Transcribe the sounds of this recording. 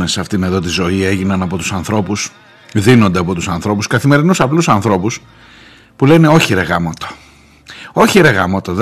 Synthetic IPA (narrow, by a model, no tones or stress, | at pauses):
nesɐft̪ine̞ðo̞t̪̬izo̞ie̞ʝinɐnɐpo̞t̪u̥sɐnθɾo̞pus | ðino̞nd̪e̞ɐpo̞t̪usɐnθɾo̞puskɐθime̞ɾinusɐplusɐnθɾo̞pus | pulene̞o̞çiɾeɣɐmot̪o̥ | o̞çiɾe̞ɣɐmot̪oð